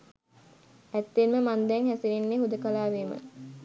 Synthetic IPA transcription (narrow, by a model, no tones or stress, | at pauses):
æt̪ːenməmand̪ɛŋhæsiɾenːeːɦud̪əkalaːʋeːmə̰